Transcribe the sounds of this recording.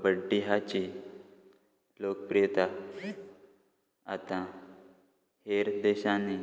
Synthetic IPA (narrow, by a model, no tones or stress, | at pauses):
bəɖːiɦat͡ɕi | lok̚pɾit̪a | at̪ã | heɾd̪eɕani